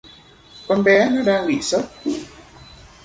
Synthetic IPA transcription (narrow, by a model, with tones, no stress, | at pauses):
kɔ˧nɓɛ˨˦nɔ˨˦ɗaː˧ŋɓḭ˧˨sə˦˥t̚